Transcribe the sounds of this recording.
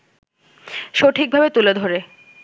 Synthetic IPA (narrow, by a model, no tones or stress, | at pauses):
ʃoʈʰik̚bʱabet̪uled̪ʱoɾe